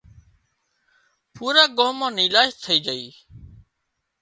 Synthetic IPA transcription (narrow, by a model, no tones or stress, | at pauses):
puːɾaːɡoːmãːniːlaːʃt̪ʰəiːd͡ʒəḭː